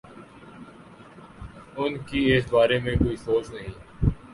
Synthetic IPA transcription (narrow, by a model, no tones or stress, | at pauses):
ʊnkiɪsbaːɾemẽkoːisoːt͡ʃnɐɦĩː